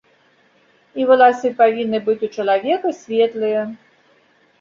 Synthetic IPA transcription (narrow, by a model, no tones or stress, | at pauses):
ivɨlˠasɨpavʲinːɨbɨt͡sʲut͡ʂɐlˠavʲɛkɐsʲvʲɛt̪lˠɨjɐ